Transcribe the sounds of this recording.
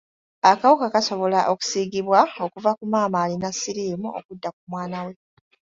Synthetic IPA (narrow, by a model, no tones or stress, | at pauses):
akawukakaso̞βo̞laʔoku̥siːɡiβwao̞kuvakumaːmaːlinasiɾiːmuʔo̰kudːakumwaːnawe̞